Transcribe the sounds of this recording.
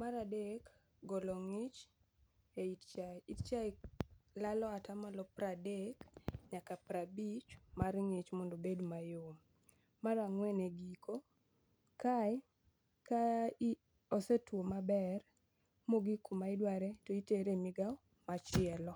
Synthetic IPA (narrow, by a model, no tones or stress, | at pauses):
maɾadek | ɡɔlɔŋɪt͡ʃ | eitt͡ʃajitt͡ʃajlalɔatamalɔpɾadekɲakapɾabit͡ʃmarŋɪt͡ʃmondobedmajom | maɾaŋwɛneɡiko | kajɪ | ka | ɔsetwomabɛr | moɡikumaɪdwaɾɛtɔiteɾemɪɡaw | mat͡ʃɪɛlɔ